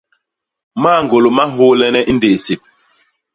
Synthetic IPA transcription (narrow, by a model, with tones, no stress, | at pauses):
maː˦˨ŋɡo˨lo˨ma˦ɦo˦lɛ˦nɛ˦ʔi˦nde˨se˨p̚